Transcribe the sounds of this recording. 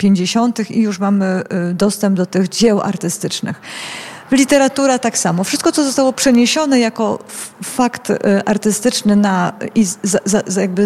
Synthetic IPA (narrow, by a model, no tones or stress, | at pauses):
pʲjeɲd͡ʑeɕɔnt̪ɘxijuʂmamɘd̪ɔst̪ɛmb̚d̪ɔt̪ɘɣd͡ʑɛwa̰ɾt̪ɘst̪ɘt͡ʂnɘ̰x | lʲit̪ɛɾat̪uɾat̪aksamɔfʂɘst̪kɔt̪sɔzɔst̪awɔpʂɛɲeɕɔnɛjakɔfakt̪ʔaɾt̪ɘst̪ɘt͡ʂnɘnaizazajaɡ̚bɘ